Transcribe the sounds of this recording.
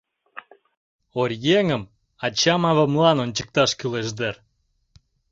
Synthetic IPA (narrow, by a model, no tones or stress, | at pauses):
orʲjeŋəm | ɑt͡ɕɑmɑβə̆mlɑnonʲt͡ɕə̥k̚t̪ɑʃkyleʃd̪er